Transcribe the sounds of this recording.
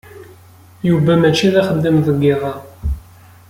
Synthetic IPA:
juvæmæt͡ʃːiðæχəd̪ːəmðəɡːɪðˤɑ

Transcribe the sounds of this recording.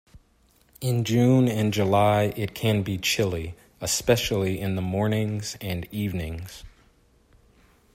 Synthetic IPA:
ɪ̃nd͡ʒʉ̃nɨ̃nd͡ʒəlaɪʔɪt̚kʰɨ̃nbit͡ʃʰɪlˠi | əspɛʃl̩ˠiɪ̃nðəmɔɹnɪ̃ŋz̥ɨ̃nivnɪ̃ŋz̥

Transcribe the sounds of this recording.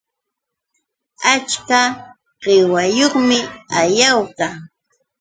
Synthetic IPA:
at͡ʃka | ɢ̥ɪwajoχmɪajawkaŋ

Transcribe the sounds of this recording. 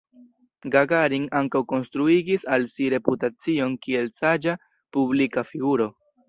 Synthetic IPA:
ɡaɡaɾiŋaŋkawko̞nstɾuiɡisalsiɾe̞putat͡sio̞nkie̞lsad͡ʒa | publikafiɡuɾo̞

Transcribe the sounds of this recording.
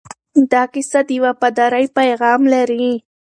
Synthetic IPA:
d̪ɑkɪsad̪əjawapad̪ɑɾajpajɣɑmlaɾi

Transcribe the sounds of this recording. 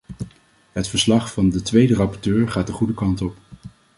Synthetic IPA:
ɦətfəɹslɑχfɑndətʋejdərɑpɔɹtøːɹχaːtəχudəkɑntɔp

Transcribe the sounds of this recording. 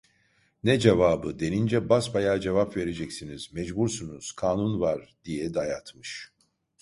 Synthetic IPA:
nɛd͡ʒevaːbɯd̪e̞nind͡ʒɛbasbajaːd͡ʒevapve̞ɾe̞d͡ʒɛcsiniz̥mɛd͡ʒbuɾsunuz̥kʰaːnunvaɾd̪̥ijɛd̪ajat̪mɯʃ

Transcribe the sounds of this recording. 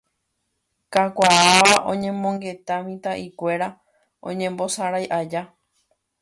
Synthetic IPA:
kakʷaaʋaʔõ̞̰ɲẽ̞mõŋɡe̞t̪amĩt̪aʔikʷe̞ɾa | õ̰ɲẽ̞mbo̞saɾajʔad͡ʒa

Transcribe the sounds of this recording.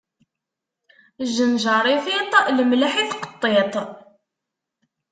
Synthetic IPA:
ʒənʒɑɾˤifit̪ˤləmlaħiθqə̥t̪ˤːet̪ˤ

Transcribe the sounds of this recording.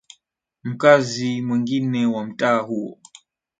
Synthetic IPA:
m̩kazimwiŋɡinɛwam̩taːɦuɔ̰

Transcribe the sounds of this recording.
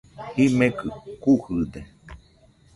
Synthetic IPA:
himẽkɨkuhɨd̪e

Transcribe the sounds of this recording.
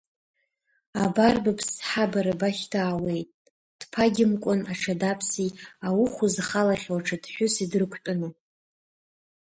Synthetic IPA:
abarbapʰsħabaɾabaχʲtʰaːwe̞jtʼ | d̥pʰaɡʲɪmkʷʼʊnaʈ͡ʂʰadapʰsiawʊχʷʊzaχalaχʲwaʈ͡ʂʰadħʷᶣʊsidrɨkʷʰtʼʊno

